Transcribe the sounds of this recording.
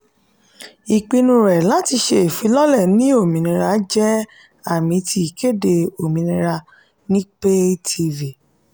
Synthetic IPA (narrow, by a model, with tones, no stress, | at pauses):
i˨k͡pi˧nũ˧˦ɾɛ˨la˨˦ti˧ʃe˧˨fi˨˧˦lɔ˦lɛ˦˨nĩ˦o˦˨mĩ˨˦nĩ˧ɾa˧˦d͡ʒɛ˦ | a˦˨mĩ˨˦tʰi˧i˨ke˦˨de˧o˨mĩ˨˧nĩ˧ɾa˧ | nĩ˦k͡pe˦tʰi˧vi˨